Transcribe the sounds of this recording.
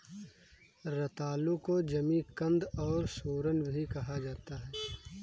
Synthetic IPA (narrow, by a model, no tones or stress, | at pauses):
ɾɐt̪aːlũkod͡ʒɐmikɐ̃nd̪ɔːɾsuːɾənbʱikɐɦad͡ʒaːt̪aɦɛː